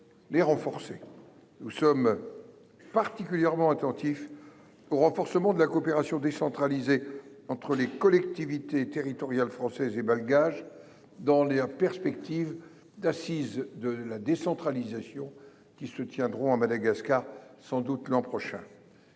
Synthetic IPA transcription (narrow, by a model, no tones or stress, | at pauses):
leʁɑ̃fɔʁse | nusɔm | paʁt̪ikʲyljɛʁmɑ̃at̪ɑ̃t̪if | oʁɑ̃fɔʁsəmɑ̃d̪əlakoːpeʁasjɔ̃d̪esɑ̃t̪χalize | ɑ̃t̪χəlekɔlɛkt̪ivit̪et̪eʁit̪ɔʁjalfχɑ̃sɛzebalɡaʒ | d̪ɑ̃lapɛʁspɛk̚t̪ʰiv | d̪asizd̪əlad̪esɑ̃t̪χalizasjɔ̃ | kʲisət̪jɛ̃d̪ʁɔ̃amad̪aɡaskaʁsɑ̃d̪ut̪lɑ̃pχɔʃɛ̃